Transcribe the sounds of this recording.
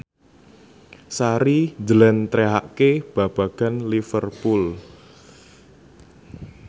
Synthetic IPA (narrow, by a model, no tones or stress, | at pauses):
saɾid͡ʒəlɛnt̪ɾeɦaʔkeb̥a̤b̥a̤ɡ̥a̤nlifərpul